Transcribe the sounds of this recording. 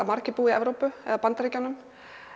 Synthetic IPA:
amaɾ̥cɪpuːiɛ̰vɾowpʏɛ̰ðapant̪ɾicanːʏm

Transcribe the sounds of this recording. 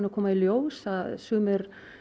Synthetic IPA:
nɪkʰɔːmailjoːwsθaðsʏːmɪɾ

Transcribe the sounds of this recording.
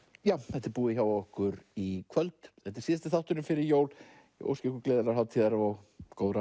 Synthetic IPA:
jawθɛht̪ɛɾpuːðɪçawvaɔhkʏɾikʰvœlt̪θɛt̪ɛ̥ɾsiːðst̪ɪθaht̪ʏɾnʏmfɪɾɪɾjoːwl | jɛ̰ʔo̰wscɪhkʏɾkleːðɪlaɾhawt̪ʰiːðaɾavawkoːwðɾa

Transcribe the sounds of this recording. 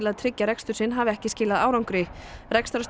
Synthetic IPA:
ɪlaðt̪ʰɾɪcːaɾɛkst̪ʏɾ̥sɪnːɦaːvɪɛhcɪscɪːlaðaːwɾawŋkɾɪrɛkst̪ɾas

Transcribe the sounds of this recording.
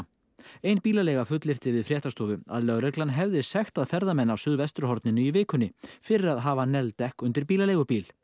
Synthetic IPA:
ejnpiːlalejɣafʏt̪lɪr̥t̪ɪvɪðfɾjɛːht̪ast̪ɔːvʏa̰ðlœwɾɛklanɦɛvðɪsɛxt̪aðfɛɾðamɛnːawsʏðvɛst̪ɾʏɦɔɾt̪nɪnʏivɪːkʏnːɪfɪɾɪɾaðɦaːvanɛlt̪ɛhkʏnt̪ɪɾpiːlaleːjɣʏpiːl

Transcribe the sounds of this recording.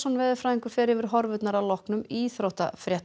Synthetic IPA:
sɔnvɛːðɪfɾaːðiŋkʏɾ̥fɛːɾɪvɪɾ̥ɦɔɾvʏt̪naɾalɔhknʏmiθɾowht̪a̰fɾjɛt̪

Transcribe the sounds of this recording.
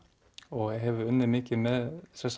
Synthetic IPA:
ɔɣɛɦɛvʏʏnːɪmɪːcɪmɛðsɛs

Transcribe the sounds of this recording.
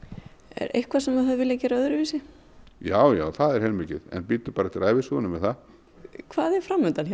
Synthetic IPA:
ɛ̰ɾḛjhkvasɛmaθaðvɪljacɛːɾaœðʏɾʏviːsɪ | jaːwja̰ːwθaðɛɾ̥hɛlmɪːcɪ̰ðɛ̰npiːt̪ʏ̥paːɾat̪ɪɾaːjvɪsuːʏnʏmːɛðθað | kʰvaːðɛɾ̥fɾamːʏnt̪ança

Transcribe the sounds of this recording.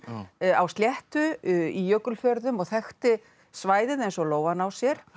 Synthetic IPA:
awst̪ljɛht̪ʏijœːkʏlfjœɾðʏmɔɣθɛxt̪ɪ | svaːjðɪðejnsɔloːwvanːawsjɛɾ̥

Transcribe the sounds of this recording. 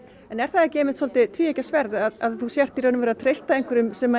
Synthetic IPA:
ɛnɛɾ̥θaðɛcɪejmɪht̪sɔlt̪ɪt̪ʰviːejcasvɛɾðaðaðθusjɛr̥t̪iɾœːnʏmvɛɾat̪ʰɾejst̪aejŋkvɪɾʏmsɛma

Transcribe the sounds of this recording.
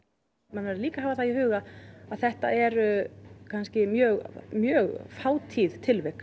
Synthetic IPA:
mɛnvɛɾʏliːkaɦaːvaθaiɦʏːɣaaðθɛht̪a̰ɛɾkʰanscɪmjœːɣmjœːɣfaːwt̪ʰiːðt̪ʰɪlvɛk

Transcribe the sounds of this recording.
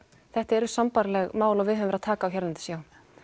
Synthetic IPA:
θɛht̪aɛɾʏɾsampaɾlɛɣmaːwlavɪðœːvʏmvɛɾaðt̪ʰaːkaːwçɛɾlant̪ɪ̥sjaːw̪

